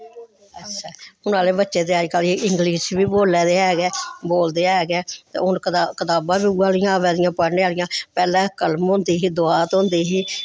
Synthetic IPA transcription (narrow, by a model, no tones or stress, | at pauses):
ətːʃʰɛːʊnaːleːbətːʃeːt̪eːəd͡ʒkəlɪŋɡliːʃʋiːboːlːɛːd̪eːɛːɡɛːboːld̪eːɦɛːɡɛːt̪ḛːʊnkət̪aːbãːbiːuːaːlɪjãːʋɛːd̪ɪjãːpəɽneːaːlɪjãːpɛːlɛ̃ːkəlmɦõːnd̪iːɦiːd̪ʊaːt̪ɦõːnd̪iːɦiː